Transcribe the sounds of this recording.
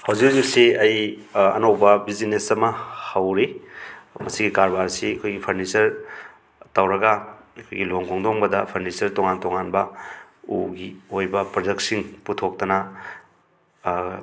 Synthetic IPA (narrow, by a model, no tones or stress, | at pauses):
hawzik̚hauzik̚siɐj | ɐ̰nowbɐbizinesɐmɐhawɾi | mɐsiɡikaɾbaɾsiɐkʰojɡipʰɐɾnisɐɾ | tawɾɐɡɐɐkʰojɡiloŋkʰoŋdoŋbɐdɐpʰɐɾnisɐɾtoŋantoŋanbɐ | uɡiojbɐpɾod͡ʒektsiŋputʰok̚tɐnɐ